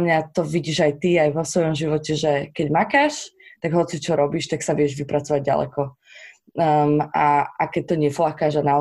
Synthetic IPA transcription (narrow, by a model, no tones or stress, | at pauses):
mɲat̪ɔʋiɟiːʒajt̪iajʋɔsʋɔjɔmʒiʋɔcɛʒɛkɛɟmakaːʃt̪aɡɦɔt͡sit͡ʃɔɾɔbiʃt̪aksaʋɪɛʒʋipɾat͡sɔʋaɟ̚ɟa̰lɛ̰kɔ | maakɛc̚t̪ɔɲɪɛflakaːʒanaɔ